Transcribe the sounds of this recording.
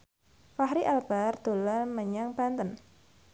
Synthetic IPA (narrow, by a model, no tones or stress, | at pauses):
faɦɾiʔalb̥ard̪̥o̤laməɲaŋbant̪ən